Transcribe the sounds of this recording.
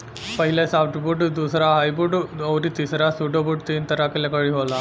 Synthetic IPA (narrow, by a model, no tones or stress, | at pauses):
pəɦilasafʈbuːʈd̪usɾaɦajbuɖəʋɾiːt̪isɾasuʈobuʈ̚t̪iːnt̪əɾakelakəɭiɦola